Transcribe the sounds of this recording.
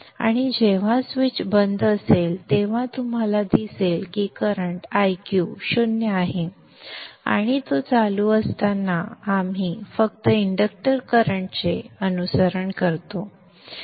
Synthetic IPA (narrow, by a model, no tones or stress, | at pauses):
a̰ɽ̃id͡ʑeʋ̤asʋit͡ɕbənd̪əselt̪eʋ̤ãt̪um̤alad̪iselkikəɾəɳʈajkjuɕonjəaɦe | a̰ɽ̃it̪ot͡saluəst̪anːaːm̤ifəkt̪əiɳɖək̚ʈəɾkəɾəɳʈt͡seənusəɾəɳkəɾt̪o